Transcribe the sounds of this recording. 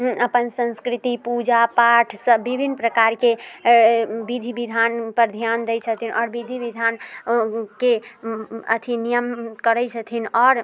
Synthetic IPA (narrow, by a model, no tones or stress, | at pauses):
əpənsə̃nskɾit̪ipud͡ʒapaʈʰsəbibʱinːpɾəkaɾke | bid̪ʱibid̪ʱanpəɾd̪ʱjand̪ɛjt͡ʃʰət̪ʰinʔɔːɾbid̪ʱibid̪ʱan | ke | ə̰t̪ʰinijəmkəɾɛt͡ʃʰət̪ʰinɔːɾ